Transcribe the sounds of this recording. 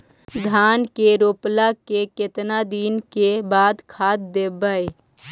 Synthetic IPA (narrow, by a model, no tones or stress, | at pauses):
d̪ʱaːnkeɾoːplakekɪt̪nad̪iːnkebaːd̪kʰaːt̪̚d̪ebəj